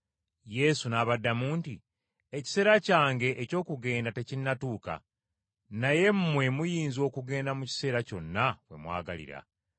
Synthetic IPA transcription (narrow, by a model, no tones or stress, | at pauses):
je̞sunaːβadːamuːnti | eci̥se̞ːɾacaːŋɡe̞ʔːco̞ːkuɡe̞ːndate̞cinːatuːka̰ | naje̞mmwe̞mujiːnzo̞ːkuɡe̞ːndamuci̥se̞ːɾaco̞nːaβwe̞̰mwa̰ːɡalḭɾa̰